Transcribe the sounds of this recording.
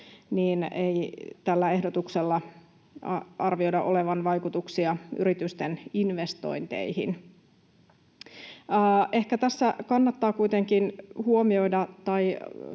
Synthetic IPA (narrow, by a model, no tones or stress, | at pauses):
niːnejt̪ælːæe̞hdot̪ukselːɑ | ʔɑrʋiojdɑʔo̞leʋɑnʋɑjkut̪uksiɑy̰ɾit̪yst̪eninʋest̪o̞̰jnt̪ḛihḭn | ʔe̞hkæt̪æsːækɑnːɑt̪ːɑːkuit̪eŋkinhuomio̞jdɑt̪ɑj